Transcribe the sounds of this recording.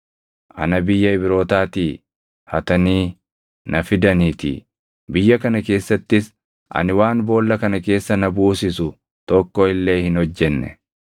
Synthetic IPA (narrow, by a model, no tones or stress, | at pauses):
ʔɐ̰nɐbɪjːɐɪbɪɾo̞ːt̪aːt̪iː | hɐt̪ɐniː | nʔɐfɪd̪ɐniːt̪ɪ̰ | bɪjːɐkɐnɐke̞ːsːɐt̪ːɪs | ʔɐ̰nɪwaːnbo̞ːlːɐkɐnɐke̞ːsːɐnɐbuːsɪsʊ | t̪ɔkːɔɪlːe̞ːhɪnhɔd͡ʒːɛnːɛ̰